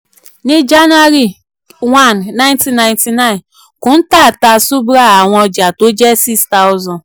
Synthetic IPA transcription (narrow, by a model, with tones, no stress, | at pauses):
ni˦d͡ʒa˦n˦a˦ɾi˨ | wa˦˨nːa˦ɪ̃˦nti˦na˨ɪ˦nti˨na˦ɪ˨n | kʊ˨n̩˦ta˦˨ta˨su˦bɾa˦a˨ŋʷɔ˦d͡ʒa˨to˦d͡ʒɛ˦si˦ksta˦wʊ˦zɔ˨n